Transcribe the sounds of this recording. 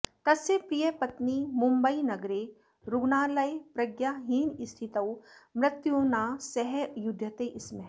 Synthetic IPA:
t̪ɐsepɾijɐpɐt̪nimʊmbəinɐɡɾe | ɾʊɡnaːlɐjpɾɐɡjaɦiːnist̪ʰit̪ɐwmɾɪt̪junaːsɛɦejʊd̪ʱjɐt̪eʔɪsme

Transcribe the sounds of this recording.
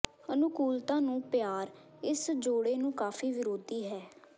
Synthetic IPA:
ənʊkuːlt̪ãːnũːpjaːɾ | ɪsd͡ʒoːɽeːnũːkaːfʰiːʋɪɾoːd̪iːɦɛː

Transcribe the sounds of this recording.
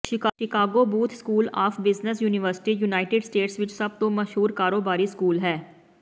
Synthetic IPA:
ʃɪɪkaːɡoːbuːt̪ʰskuːlaːfʰbɪznəsjuːnɪʋəɾsɪ̥ʈiːjunaːɪʈɪɖsʈeːʈsʋɪt͡ʃsɐb̚t̪õməʃɦuːɾkaːɾoːbaːɾiːskuːlɦɛː

